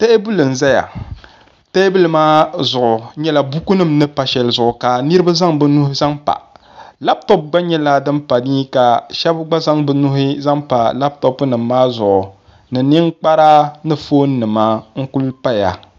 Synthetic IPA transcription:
ta˦e˦bu˦lɨ˨n̩˨za˦ja̰˨ | tɛ˦bu˦lmaː˦zʊ˨ʔʊ˨ɲɛ˦la˨bu˦ku˦nɨ˦mnɨ˦pa˨ʃɛ˨lzʊ˨ʔʊ˨ka˨ni˦ɾɨ˦ba˦za˦ŋbɨ˦nu˦hɪ˦za˦ŋpa̰˨ | la˦btɔ˦p̚ɡ͡ba˦ɲɛ˦la˦dɨ˦mpa˨niː˦ka˨ʃɛ˦bɡ͡ba˦za˦ŋbɨ˨nu˦ɦɪ˦za˦ŋpa̰˨la˦b̚tɔ˦pnɨ˨mːaː˦zʊ˨ʔʊ˨ | nɨ˨ni˦ŋk͡pa˦ɾa˦nɨ˦fo˦nː˦ɨ˨maː˦ŋ̩˦ku˦lpa˦ja̰˨

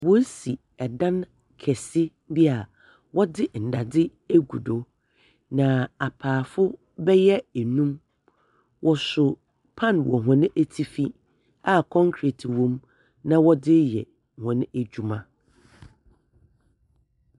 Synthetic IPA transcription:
wɔ˦si˨ | ɛ˨dã˦n | kʰɛ˨sɪ˦ | dɪ˦a˨ | wɔ˦dɪ˦n̩˨da˨dɪ˦ | e˦ɡu˨do˨ | nã˨a˨pʰaː˨fʊ˦ | bɛ˦jɛ˦æ˨nũ˦m | wʔɔ˨sʊ˨ | pʰã˦˨nwɔ̰˨ɦɔ̃˨nɪ̃˦ʔæ˦tʰi˦fi˦ | a˨kʰɔ̃˦ŋkʰɾi˨tʰwɔ̃˦m | nã˦wɔ˦dɪ˦jɛ˨ | hɔ̃˨nɪ̃˦æ˨d͡ʑᶣu˨mã˦

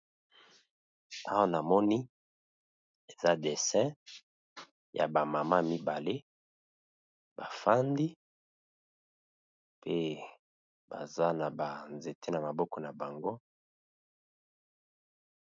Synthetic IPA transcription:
a˦wa˦na˨mɔ˦ni˦ | e˨za˦de˨sɛ̃˦ | ja̰˨ba˨ma˨ma˦mi˦ba˨le˦ | b̥a˨fa˦ndi˦ | pe˦ | ba̰˨za˦na˨ba˨nze˨te˦na˨ma˨bɔ˦kɔ˨na˨ba˨ŋɡo˦

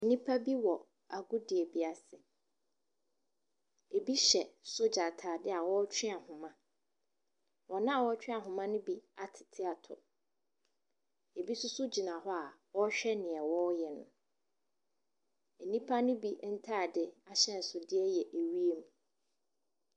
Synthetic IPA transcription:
nĩ˦pʰa˦bi˦wɔ˨ | a˨ɡʊ˦dɪ˨ɛ˨bi˦a˨sɪ˨ | e˨bi˦ɕɛ˨sʊ˦d͡ʑa˨tʰaː˨dɪ˦a˨wɔ˦t͡ɕʰᶣɪ̃˦a˨hʊ̃˨mã˦ | wɔ˨nã˦a˨wɔ˦t͡ɕᶣɪ̃˦a˨ɦʊ̃˨mã˦nʊ̃˦bi˦a˨tʰɪ̥˨tʰɪ˦a˨tʰʊ̰˨ | e˨bi˦sʊ˦sʊ˦d͡ʑi˨nã˨ɦɔ˦a˨wɔ˦ɕᶣɛ˦nɪ̃˨ɛ˨wɔ˦jɛ˨nʊ̃˨ | e˨nĩ˦pʰa˦nʊ̃˦bi˦n̩˦tʰaː˦˨dɪ˦a˦ɕɛ˦n̩˨sʊ˨dɪ˦ɛ˦jɛ˨ʔe˨wi˦e˦mũũ˨

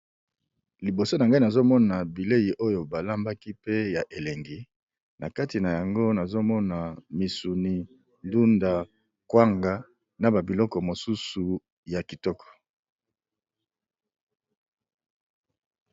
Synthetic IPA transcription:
li˨bo˨so˦na˨ŋɡa˦i˦na˨zo˦mɔ˦na˨bi˨le˦ji˨ʔo˦jo˨ba˨la˦mba˦ki˦pe˦ja˨ʔe˨le˨ŋɡi˨ | na˨ka˦ti˨na˨ja˨ŋɡo˦na˨zo˦mɔ˦na˨mi˨su˨ni˨ | ndu˦nda˨ | kwa˦ŋɡa˨ | na˨ba˨bi˨lɔ˦kɔ˨mo˨su˦su˨ | ja˨ki˨tɔ˦kɔ̥˨

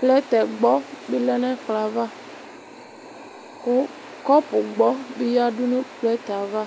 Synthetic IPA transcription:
plɛ˦t̪ɛ˨ɡ͡bɔ˦be˦lɛ˦nɛ̃˦k͡pla˨va˦ | kʊ˦ | kɔ˦pʊ˨ɡ͡bɔ˦be˦ja˦ɖu˦nũ˦plɛ˦t̪a˨va˦

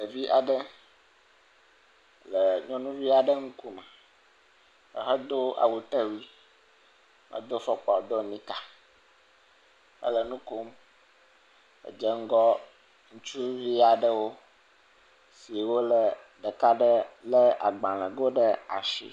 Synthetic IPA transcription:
lə˨vi˦ʔa˨ɖə˦ | lə˨ɲɔ̃˦nũ˦vi˦a˨ɖə˦ŋu˦ku˦mɛ̃˨ | ə̰˨ɦə˦d̪o˦a̰˨wu˨t̪ə˦wi˦ | mʔə̰̃˨d̪o˦fɔ˦k͡pɔ˨d̪o˦˨mĩ˦ka˨ | hə̰˦lə˨nũ˦ko˦m | ə̰˨d͡ʒə˦ŋ̩˦ɡɔ˦ | ŋũ˦t͡ʃu˦vi˦a˨ɖə˦wo˦ | si˨wo˦lə˨ | ɖə˨ka˦ɖə˦lə˦a̰˨ɡ͡bã˨lə̃˨ɡo˦ɖə˦a̰˨ʃḭ˦

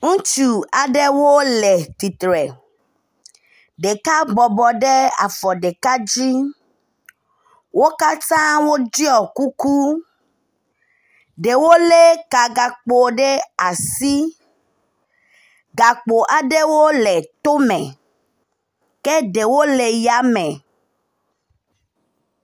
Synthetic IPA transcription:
ŋũ˦t͡ʃu˨a˨ɖe˦wo˦le˨t̪i˨t̪ɾe˨ | ɖe˨ka˦bɔ˨bɔ˨ɖe˦a̰˨fɔ˨ɖe˨ka˦d͡ʒi˦ | wo˦ka˦t̪ã˦wo˦d͡ʒi˦ɔ˨ku˦ku˦ | ɖe˨wo˦le˦ka˨ɡa˨k͡po˨ɖe˦a˨si˦ | ɡa˨k͡po˨ʔa˨ɖe˦wo˦le˨t̪o˦mẽ˨ | ke˦ɖe˨wo˦le˨ja˨˦mẽ˨

